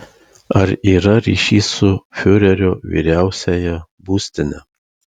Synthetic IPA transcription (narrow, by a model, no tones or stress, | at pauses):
ɐɾiːɾɐɾʲḭːʃʲiːsʊfʲʊɾʲɛɾʲoːʋʲḭːɾʲæˑʊsʲɛjɛbuːsʲt̪ʲɪnʲɛ